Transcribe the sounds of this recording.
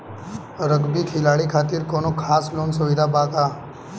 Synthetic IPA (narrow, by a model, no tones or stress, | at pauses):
ɾəɡbikʰɪlaːɭikʰaːt̪iɾkoːnokʰaːsloːnsʊʋɪd̪ʱabaːkaː